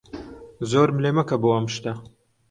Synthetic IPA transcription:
zoːɾmleːmɐkɐbuwɐmʃt̪ɐ

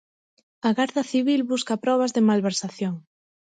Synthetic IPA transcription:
ɐɣaɾðɐθiβilβuskɐpɾɔβ̞ɐzðɪmalβeɾsaθjoŋ

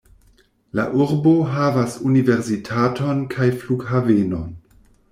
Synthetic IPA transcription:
la̰ʔuɾbo̞ɦavasunive̞ɾzitʰato̞nkʰajfluɡɦaveno̞n

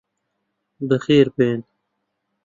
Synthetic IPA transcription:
b̪əxiːɾpeːn

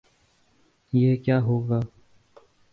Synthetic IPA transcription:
jekjaːɦoːɡaː

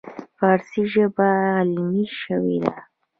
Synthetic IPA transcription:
fɑɾsiʒəbalmiʃəwḛd̪a̰

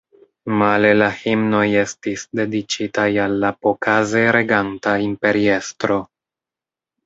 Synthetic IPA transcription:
male̞lahimno̞je̞stisde̞dit͡ʃitajalːapokʰaze̞ɾe̞ɡantaimpe̞ɾie̞stɾo̞

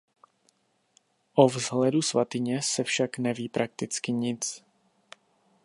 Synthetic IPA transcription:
ʔovzɦlɛdusvat̪ɪɲɛsɛfʃaknɛviːpɾʔak̚t̪ɪt͡skɪɲɪt͡s

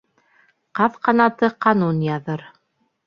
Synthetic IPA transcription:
qɑðqɑnɑt̪ɤqɑnunjɑðɤɾ

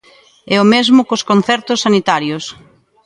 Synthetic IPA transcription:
ɛomezmʊkoskonθɛɾt̪ʊsːanit̪aɾjos

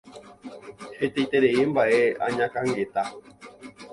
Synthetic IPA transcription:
het̪ejt̪eɾe̞embaʔe̞ã̰ɲãkãŋɡe̞t̪a

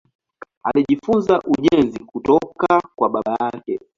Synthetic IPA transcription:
aliʄifunzaʔuʄɛnzikutɔkakwaɓaɓajakɛ

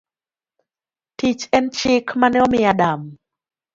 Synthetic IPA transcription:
tit͡ʃɛnt͡ʃɪkmanɪɔmɪadam

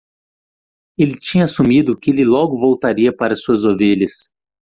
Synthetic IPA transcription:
elɪt͡ʃĩɲɐasumid̪ʊkɪelɪlɔɡʊvowt̪aɾiɐpaɾɐsuɐzoveʎɐs

